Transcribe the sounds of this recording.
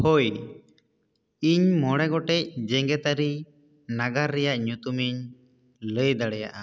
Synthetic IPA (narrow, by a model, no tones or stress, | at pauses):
hoj | iɲmɔɽ̃ɛɡɔʈɛc̚d͡ʒɛŋɡɛt̪aɾi | naɡaɾːɛjaʔɲut̪umiɲ | ləjd̪aɽɛja̰ʔa